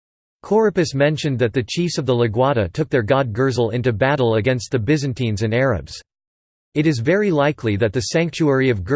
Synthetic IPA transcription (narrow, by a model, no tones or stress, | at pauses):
kʰɔɹɨpɨsmɛ̃nʃɨ̃nðɨt̪̚ðɨt͡ʃʰifsʌvðəlɨɡwɑɾɨtʰʊk̚ðə˞ɡɑd̚ɡɜ˞zl̩ˠɪ̃ntʉbæɾl̩ˠəɡɛ̃nst̪̚ðɨbɪzɨ̃ntĩnzɨ̃nɛɹɨ̰bz̥ | ɨɾɨzvɛɹilaɪkʰliðɨt̪̚ðɨsæ̃ŋk̚t͡ʃuɛɹiʌvɡ